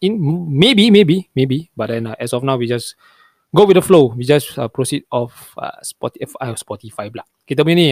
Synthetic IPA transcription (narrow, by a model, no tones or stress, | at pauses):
ĩnmebimebimebibat̚dɛ̃naʔɛsɔfnawwid͡ʒas | ɡowit̚dəflowid͡ʒasa̰pɹosit̚ɔf | ʌ̰spɔtiɛfajɔspɔtifaɪblak̚ket̬əmĩni